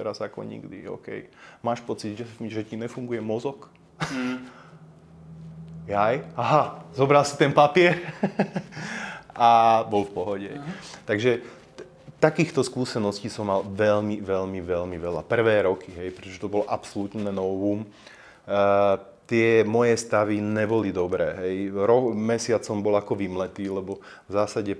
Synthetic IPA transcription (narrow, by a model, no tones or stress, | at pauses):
t̪ɛɾazakɔ̰ɲḭɡd̪ḭɔ̰ʊkɛ̰jmaːʃpɔt͡sid̪ʒɛʒɛciɲɛfuŋɡujɛmɔzɔk | jajaɦazɔbɾalsi̥t̪ɛnpapɪɛɾ | ʔabɔlfpɔɦɔɟɛɦɛ̰jt̪aɡʒɛ | t̪akiːxt̪ɔskuːsɛnɔsciːsɔmːalʋɛʎmiʋɛʎmiʋɛʎmiʋɛla̰pr̩ʋɛːɾɔkiɦɛjpɾɛt̪ɔʒɛt̪ɔbɔlɔʔapsɔlut̪nɛnɔbum | t̪ɪɛmɔjɛst̪aʋiɲɛbɔlid̪ɔbɾɛ̰ːɦɛjɾɔkmɛsɪat͡sɔmbɔlakɔʋimlɛt̪iːlɛbɔ | vzaːsaɟɛ